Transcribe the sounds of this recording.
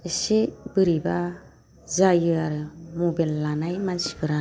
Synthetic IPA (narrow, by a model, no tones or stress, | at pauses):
ɯsebɯɾiba | zajɯaɾɯmobelːanajmansi̥bɯɾa